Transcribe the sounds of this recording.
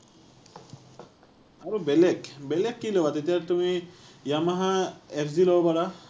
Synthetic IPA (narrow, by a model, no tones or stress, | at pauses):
aɾubelekbelekːilɔwat̪et̪ijaɾt̪umijamaɦaeɾzilɔapaɾa